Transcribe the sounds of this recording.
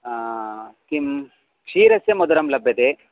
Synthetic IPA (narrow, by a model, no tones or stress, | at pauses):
kim | kʂiːɾɐsjɐmɐd̪uɾɐmlɐbʱjɐt̪eː